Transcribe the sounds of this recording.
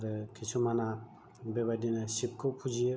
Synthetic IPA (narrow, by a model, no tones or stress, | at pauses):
ɾɯkʰit͡ʃʰumana | bebadinɯsip̚kʰopʰud͡ʒi